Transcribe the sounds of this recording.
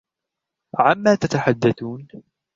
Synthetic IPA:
ʕamːaːt̪at̪aħad̪ːaθuːn

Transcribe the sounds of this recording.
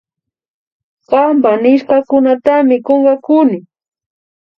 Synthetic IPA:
ɢɑmpanɪʃkakʊnat̪amɪkoɴɢɑkʊnɪ

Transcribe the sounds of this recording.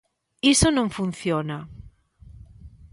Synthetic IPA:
isonõɱfun̟θjona

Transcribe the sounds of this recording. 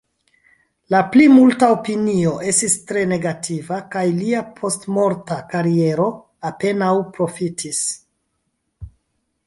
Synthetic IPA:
laplimultaopinio̞ʔe̞stistɾe̞ne̞ɡativakajliapʰo̞stmo̞ɾtakaɾie̞ɾo̞ | ape̞nawpɾo̞fitʰis

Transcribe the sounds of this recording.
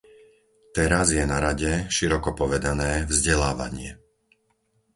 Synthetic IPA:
t̪ɛɾazjɛnaɾaɟɛʃiɾɔkɔpɔʋɛd̪anɛːvzɟɛlaːʋa̰ɲɪɛ

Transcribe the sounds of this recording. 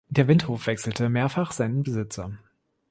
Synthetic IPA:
d̥eːɐvɪnthoːfv̥ɛksl̩təmeːɐfaχz̥aɪnənbəzɪt͡sɐ

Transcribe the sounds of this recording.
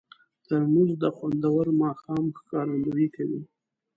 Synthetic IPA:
t̪əɾɳuzd̪əxwand̪awəɾmɑxɑmxkɑɾand̪uikawi

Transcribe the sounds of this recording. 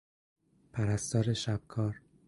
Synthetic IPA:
pʰæɾæst̪ɒːɾeʃæb̥̚kʰɒːɾ

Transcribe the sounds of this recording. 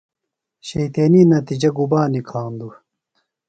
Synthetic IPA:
ɕejt̪eːninɐt̪id͡ʑɐɡubaːnikʰaːnd̪u

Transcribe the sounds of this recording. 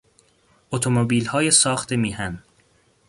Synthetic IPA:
ot̪ʰomobiːlhɒːjesɒːxt̪ʰemiːhæn

